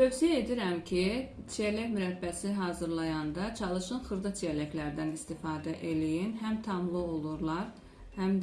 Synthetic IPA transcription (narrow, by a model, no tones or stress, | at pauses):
t̪ʰø̞vsijæed̪iɾæmcʰit͡ʃʰiælæçmyɾæt̪bːæsiɦɑːzɯɾlˠɑjɑnd̪ɑt͡ʃʰɑlˠɯʃɯnxɯɾd̪ɑt͡ʃʰiælæklæɾd̪ænist̪ifɑːd̪æʔe̞lijinɦæmt̪ʰɑmlˠɯo̞lˠuɾlˠɑɾ | hæmd̪